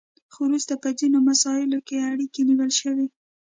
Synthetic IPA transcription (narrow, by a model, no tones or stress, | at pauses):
xoɾust̪apəd͡zinomasɑɪlokeaɽikeniwəlʃəwe